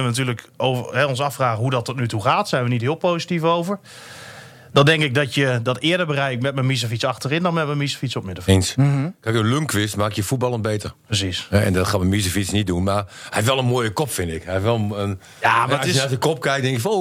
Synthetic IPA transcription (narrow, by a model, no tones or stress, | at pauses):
nəʋənat̬yːləkovɦɛõnsafraːɣəɦudɔtɔtnytuχaːtsɛjnʋənitɦɪːlˠpowsitifowvər | dɔndɛŋkɪk̚dɔtjədɔtɪːədəɹbərɛjɪk̚mɛt̚mənmis̬əfit͡sɑxtərɪndɔnmɛt̚mənmisə̥fitsɔtmɪdəfenskʰakənløŋkʰʋɪstmaːkjəfut̚bɑlˠənbeːtə̰rpəs̬isɛɛ̰ndɔtxaːmənmis̬əfitsnit̚dunmarɛɪfʋɛlˠənmoːjəkɔpfɪndɪkhɛɪfʋɛlˠəən | jamsɪjənasəkɔp̚kɛjk̚dɛŋkɪkfno